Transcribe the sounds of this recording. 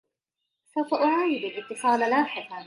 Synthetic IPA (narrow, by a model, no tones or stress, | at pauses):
sawfaʔʊʕaːjɪd̪alʔɪt̪ːɨsˤɑːlalaːħɪqɑ